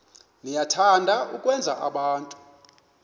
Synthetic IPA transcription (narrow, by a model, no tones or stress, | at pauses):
nijatʰandʱaukʼwɛnd͡zʱaʔaɓaːntʼu̥